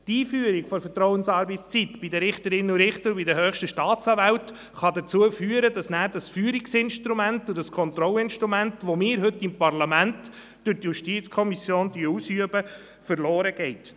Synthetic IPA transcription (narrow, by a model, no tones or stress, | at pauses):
tiːfyəɾikfɔɾfətɾɔwənsɑːɾbɛtst͡sit̪b̥idəɾɪχtəɾɪnuɾɪχtəɾbidəɦœːχʃtəʃtɑːtt͡sɑːvæwt | χɑdət͡suəfyːəɾəd̥ɑsnæːɾd̥ɑsfyːəɾiksɪnʃtɾumæntʊd̥ɑskʰɔnt̪ɾɔləɪnʃtɾumæntʋomɪːɾɦɵtːɪmpɑrlɑmænt | d̥øɾtjuʃtiːt͡skʰɔmisjoːntyːuːsyəbə | fəɾloːɾəɡ̥ɛɪt